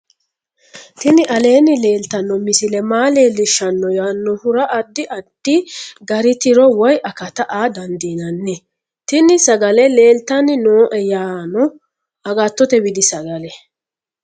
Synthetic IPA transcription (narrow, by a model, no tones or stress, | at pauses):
t̪ɪnɪʔɐle̞ːnɪle̞ːlt̪ɐnːɔmɪsɪlɛmaːle̞ːlːɪʃːɐnːɔjaːnːɔhʊɾɐʔɐd̪ːɪʔɐd̪̥ːiɡɐɾɪt̪ɪɾɔwɔjʔɐkɐt̪ɐʔaːd̪ɐnd̪iːnɐnːɛ | t̪ɪnɪsɐɡɐlɛle̞ːlt̪ɐnɪnoːʔɛjaːnɔ | ɐɡat̪ːɔt̪ɛbɪd̪ɪsɐɡɐlɛ